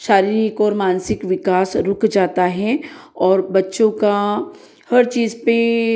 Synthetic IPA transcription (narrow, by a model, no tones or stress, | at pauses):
ʃaːɾiːɾɪkɔːɾmaːnsɪkʋɪkaːsɾʊkʰd͡ʒaːt̪aɦɛɔːɾbɐtːʃõka | hɐɾt͡ʃiːzpe